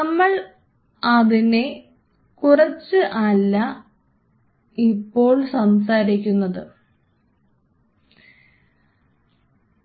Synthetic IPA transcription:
nɐmːɐɭ | ɐðine | kurɐt͡ɕːɨʔɐlːɐ | ipːo̞ːɭsɐmsaːɾikʲːunːɐðɨ

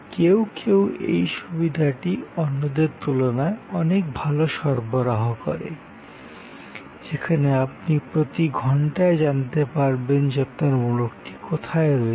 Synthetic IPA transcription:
kewkʰewḛjʃubid̪ʱaʈiɔnːod̪eɾt̪ulonaeɔnek̚bʱaloʃɔɾboɾaɦokɔ̰ɾḛ | d͡ʑekʰaneapnipɾot̪iɡʱɔɳʈaed͡ʑant̪epaɾbend͡ʑapt̪aɾmulukʈi̥kot̪ʰaeɾɔe

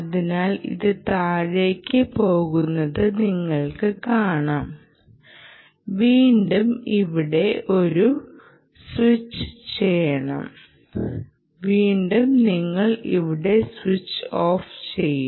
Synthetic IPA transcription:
ɐðinaːlḭðɨt̪aːɻeːkʲːɨpo̞ːɣunːɐðɨniŋːɐɭkɨkaːɳaːm | ʋiːɳɖumiʋiɽe̞ʔo̞ɾu | swit͡ɕːɨ̥t͡ɕe̞jɐɳɐ̰m | ʋiːɳɖumniŋːɐɭḭʋiɽe̞swit͡ɕːoːft͡ɕe̞jːu

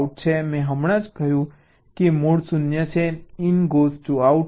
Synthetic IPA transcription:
uʈ̚t͡ʃʰemɛ̃ɦəmɽ̃ãd͡ʒkəjũ | kimoɽsʊnjət͡ʃʰeɪnɡozʈuauʈ

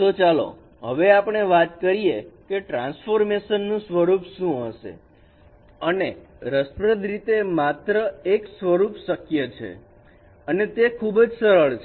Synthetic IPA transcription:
t̪ot͡ʃalo̰ | ɦəʋeapɳ̃eʋat̪kəɾijekeʈɾãnsfoɾmeʃənːũsʋəɾupʃũɦəʃḛ | əne | ɾəspɾəd̪ʱɾit̪emat̪ɾəeksʋəɾupsəkjət͡ʃʰḛ | ənet̪ekʰubd͡ʒsəɾəɭt͡ʃʰ

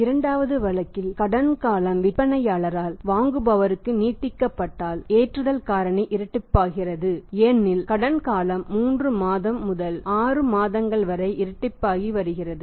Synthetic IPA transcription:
ɪɾɐɳɖaːʋɐðɯʋɐɭɐkːɪlkɐɽɐnkaːlɐmʋɪpːɐnɐjaːɭɐɾaːlʋaːŋɡɯbɐʋɐɾɯkːɯniːʈːɪkːɐpːɐʈːaːleːʈrɯðɐlkaːɾɐɳɐɪʔɪɾɐʈːɪpːaːɣɪrɐðɯeːnːɪlkɐɽɐnkaːlɐmːuːndrɯmaːðɐmːʊðɐlaːrɯmaːðɐŋɡɐɭʋɐɾɐɪʔɪɾɐʈːɪpːaːɣiʋɐɾɯɣɪrɐðɯ

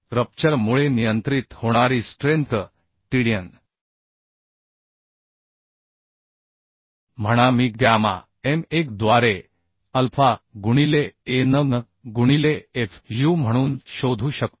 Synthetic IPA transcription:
ɾəp̚t͡ɕəɾmuɭenijənt̪ɾit̪hoɽ̃aɾiːsʈɾent̪ʰ | ʈiɽijən | m̤əɽ̃amiːɡjama̰ | emekd̪ʋaɾe | əlfʰaɡuɽ̃ileːnəŋ | ɡuɽ̃ileːfjuːm̤əɽ̃uːnɕod̪ʱuːɕək̚t̪

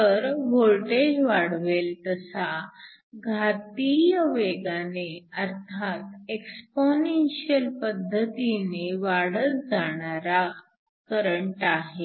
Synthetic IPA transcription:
təɾʋolʈed͡ʑʋaɽ̤ʋelt̪əsa | ɡʱat̪ijəʋeɡaneəɾt̪ʰat̪̚eksponenɕiəlpəd̪ʱːət̪ineʋaɽət̪̚d͡zaɽ̃aɾa | kəɾəɳʈaɦe

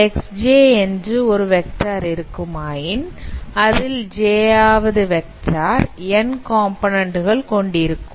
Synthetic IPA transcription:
ɛksd͡ʒeːɛndrɯɔɾɯʋɛk̚ʈaːɾɪɾɯkːɯmaːjɪnɐðɪld͡ʒeːaːʋɐðɯʋɛk̚ʈaːɾɛnkaːmpoːnɐɳɖɯɣɐɭkɔɳɖɪɾɯkːɯm

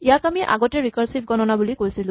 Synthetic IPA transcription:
ijakamiʔa̰ɡɔtɛɹikɔɹsip̚ɡɔnɔnabulikojsilʊ̃

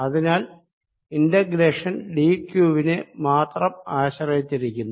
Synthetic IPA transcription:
ɐðinaːl | indɐɡɾeːʂɐnɖiːkjuːʋinemaːt̪rɐmaːɕɐrɐt͡ɕːiɾikʲːunːu

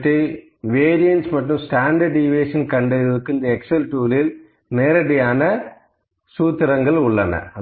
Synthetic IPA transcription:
ʈːi | ʋeːɾijɐnsmɐʈːɯ̃msʈaːɳɖɐɾɖiʋeːʂɐnkɐɳɖɐɐðɯkːɯɪnd̪ɐɛksɐlʈuːlɪl | neːɾɐɽɪjaːnɐ | suːt̪ːɪɾɐŋɡɐɭʊɭːɐnɐ̰ɐ

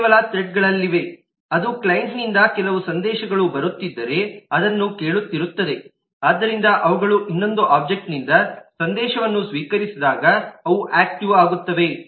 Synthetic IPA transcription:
kːʋɐlɐt̪ɾeʈ̚ɡɐɭɐlːiʋe̞ | ɐd̪uklɐjeɳʈnind̪ɐkɛlɐʋusɐnd̪ɛːʃɐɡɐɭubɐɾut̪ːid̪ːɐɾe̞ɐd̪ɐnːuke̞ːɭut̪ːiɾut̪ːɐd̪e̞ | aːd̪ːɐɾind̪ɐʔɐʋɐɡɐɭuʔinːo̞nd̪uʔaːb̚d͡ʒe̞k̚ʈnind̪ɐsɐnd̪ɛːʃɐʋɐnːusʋiːkɐɾisid̪aːɡɐːʋuʔaːk̚ʈiʋaːɡut̪ːɐʋe̞

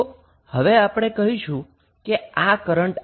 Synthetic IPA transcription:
həʋeapɽ̃ekəɦĩʃũ | keakəɾəɳʈ

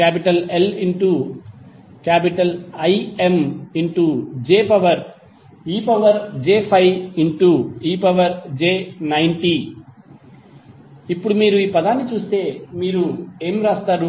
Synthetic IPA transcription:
kaːpiʈɐleliɳʈu | kaːpiʈɐlɐjemiɳʈud͡ʒeːpɐʋɐɾ | iːpɐʋɐɾd͡ʒeːpʰɐjiɳʈuiːpɐʋɐɾd͡ʒeːnɐjɳʈi | ipːuɽumiːɾuiːpɐd̪aːnːit͡ʃuːst̪e̞ːmiːɾue̞ːmɾaːst̪aːɾu

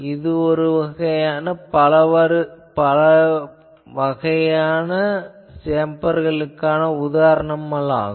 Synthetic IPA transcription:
ɪðɯɔɾɯʋɐɣɐjaːnɐpɐlɐʋɐɾɯpɐlɐ | ʋɐɣɐjaːnɐ | seːmbɐɾɣɐɭɯkːaːnɐʊðaːɾɐɳɐmɐla̰ːɣɯ

